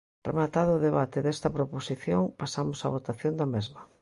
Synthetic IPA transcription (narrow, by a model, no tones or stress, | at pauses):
rḛmat̪aðoːðeβat̪eðest̪ɐpɾoposiθjoŋpasamʊsa̰β̞ot̪aθjond̪ɐmezmɐ